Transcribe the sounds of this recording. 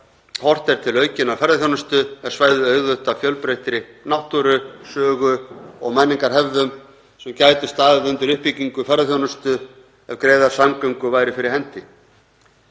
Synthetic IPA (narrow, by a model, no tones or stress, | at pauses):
hɔr̥t̪ɛɾ̥t̪ʰɪlœɥcɪnavfɛɾðaθjownast̪ʏɛvsvaːjðʏœɥɣðʏht̪afjœlpɾejht̪ɾɪnawht̪uɾʏsœːɣʏɔɣmɛnːiŋkaɾ̥ɦɛvðʏm | sɛmcaːjt̪ʏst̪aːðɪðʏnt̪ʏɾʏhpiciŋkʏfɛɾðaθjownʏst̪ʏ | ɛvkɾeːjðaɾ̥samkœɥŋkʏvaːjɾɪfɪɾɪɾhɛn̥t̪ɪ